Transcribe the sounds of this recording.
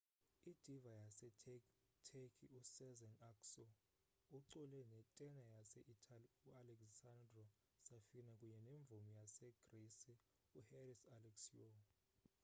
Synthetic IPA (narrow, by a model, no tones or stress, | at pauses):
id̥ʱivajasɛ | tʰekʰiusɛzɛnaksɔ | uǀulɛnɛtʼɛnajasɛʔitʰʼaliualɛksandrɔ | safinakʼuɲɛneɱb̪vumijasɛɡ̥risi | uherisalɛksijo